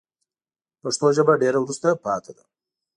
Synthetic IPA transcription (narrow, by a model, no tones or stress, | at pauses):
paʂt̪oʒəbaɖeɾawɾust̪apɑt̪ʰad̪a̰